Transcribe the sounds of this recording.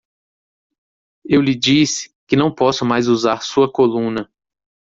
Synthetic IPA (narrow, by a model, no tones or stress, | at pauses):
ewlɪd͡ʒisɪ̥kɪnɐ̃w̃pɔsʊmajzuzaɾsuɐkolũnɐ